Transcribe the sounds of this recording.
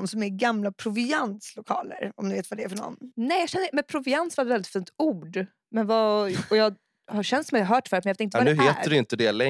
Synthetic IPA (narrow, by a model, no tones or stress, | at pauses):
nsɔmæɾɡamlapʰɾʊvɪanslʊkʰɑ̰ːlə̰ɾɔmd̪ɪveːt̪vad̪ɛːɾfœɳɔ̰nːnɛːjɑɡɕɛnd̪əmɛpʰɾʊvɪansvat̪vɛlːɪt̪fiːnt̪uːɖ | mɛnvaɔjɑːɡ | haɾɕɛnt̪sɔmjaaɦœːʈfœːɾtmɛjɑveːt̪ɪnt̪vad̪ɛʉːɦeːt̪əɖɛɪnt̪əd̪ɛlɛ